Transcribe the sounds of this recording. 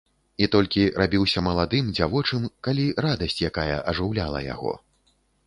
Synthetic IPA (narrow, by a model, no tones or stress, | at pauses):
it̪ɔlʲkʲiɾabʲiwsʲɐmɐlˠad̪ɨmd͡zʲavɔt͡ʂɨmkalʲiɾad̪ɐsʲt͡sʲjakajɐ̰ʔɐʐɨwlʲalˠɐ̰ja̰ɣɔ̰